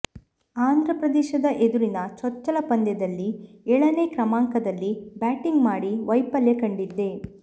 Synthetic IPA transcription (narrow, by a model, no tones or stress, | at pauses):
aːnd̪ʱɾɐpɾɐd̪ɛːʃɐd̪ɐʔed̪uɾinɐt͡ʃɔt͡ʃːɐlɐpɐnd̪jɐd̪ɐlːiɛɭɐneːkɾɐmaːŋkɐd̪ɐlːibaːʈiŋɡmaːɽiʋɐjpɐljɐkɐɳɖid̪ːe̞